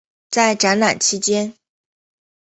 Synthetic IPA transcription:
t͡sa˥˩ɪʈ͡ʂa˧˥nla̰˨˩nt͡ɕʰi˧˥t͡ɕjɛ˥n

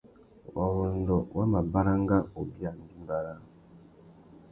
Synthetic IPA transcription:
wa˨wɔ˨n̩˨dɔ˨wʔa˦ma˨ba˦ɾa˦ŋ˦ɡa˦o˨bi˦a˨n̩˦di˦m˦ba˨ɾa˦

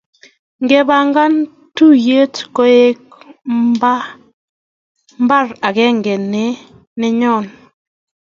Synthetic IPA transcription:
ŋɡɛ˦ba˦ŋɡa˦n | tu˦je˦tkɔ˦e˦k | ba˦ | mba˦˨ɾa˨kɛ˦ŋɡɛ˨ne˨˦ | nɛ˦ɲɔ˦˨n

